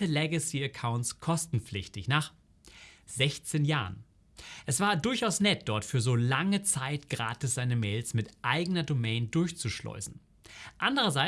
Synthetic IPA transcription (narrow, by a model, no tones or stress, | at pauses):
əlɛɡəsiɛkʰaʊntskʰɔstn̩p͡flɪçtɪçnaːχ | z̥ɛçt͡seːnjaːʁən | ʔɛsv̥aːɐdʊɐçʔaʊsnɛt̚d̥ɔɐtfyːɐzoːlaŋət͡saɪtɡ̥ʁa̰ːtɪsz̥aɪnəmɛːlsmɪtʔaɪɡənɐdomɛɪndʊɐçt͡suʃlɔ̰ʏzn̩ | ʔandəʁɐzaɪ